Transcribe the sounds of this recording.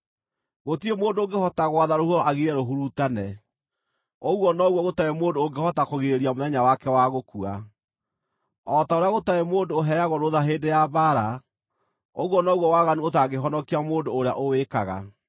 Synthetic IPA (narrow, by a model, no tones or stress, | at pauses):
ɣotiemoːndooŋɡehɔtaɣwaðaɾohuɔaɣiɾɛɾoɦuɾutanɛ | oɣwɔnɔɣwɔɣotaemoːndooɡehɔtakoɣeɾeɾiamoðɛɲawakɛwaɣokua̰ | ɔtaoɾeaɣotaemoːndoːɦɛaɣoɾoðaɦeːndejabaɾa | oɣwɔnɔɣwɔwaɣanuotaɣeɦɔnɔkiamoːndoːɾea̰ʔowekaɣa̰